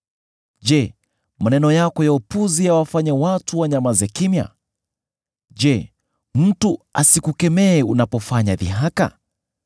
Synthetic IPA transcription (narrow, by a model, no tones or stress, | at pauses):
d͡ʒɛ | manɛnɔjakɔjaupuziawafaɲawatuwaɲamazɛkimja̰ | d͡ʒɛ | m̩tuasikukɛmɛːunapɔfaɲaðḭɦaka̰